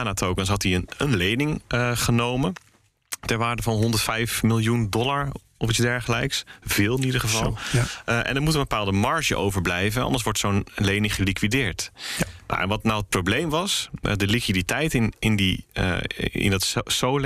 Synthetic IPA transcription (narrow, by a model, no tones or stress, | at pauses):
anatowkəns̬ɦɑtdiənənlejnɪŋχənowmən | tɛɹʋaːɹdəvɑnɦɔndəɹtfɛjfmɪlˠjundɔlaɹ | ɔfitzdɛɹχəlɛjksvɪːlˠɪnidəɹχəvɑlˠʔɛ̰ndəɹmutənbəpaːlˠdəmɑɹʒə̰ʔo̰wvəɹblɛjvənɑ̰ndəɹs̬ʋɔɹtsownlejnɪŋχəlikʋidɪːɹtna̰ʔɛ̰nʋɑtnawət̚prowblejmʋɑsdəlikʋiditɛjtɪnɪndḭ | ɪ̰ndɑtssowl